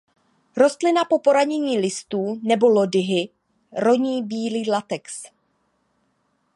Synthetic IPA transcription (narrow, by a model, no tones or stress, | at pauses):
ɾo̞st̪lɪnapo̞po̞ɾaɲɛɲiːlɪst̪uːnɛbo̞lo̞dɪɦɪ | ɾo̞ɲiːbiːliːlat̪ɛks